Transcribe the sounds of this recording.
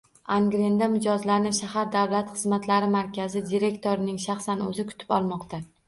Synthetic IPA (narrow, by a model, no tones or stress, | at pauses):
aŋɡɾend̪amɪd͡ʒɒzlanɪʃahaɾd̪awlat̪χɨzmat̪laɾɪmaɾkʲazɪd̪iɾe̞kt̪ʰoɾɪnɪŋʃaχsanɵ̰zɪkʰʊ̥t̪ʰɪ̥pɒ̰lˠmɒqt̪ʰa